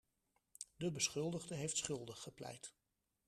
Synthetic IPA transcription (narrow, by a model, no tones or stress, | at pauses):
dəbəsχɵlˠdəʁdəɦejftsχɵlˠdəχəplɛ̰jt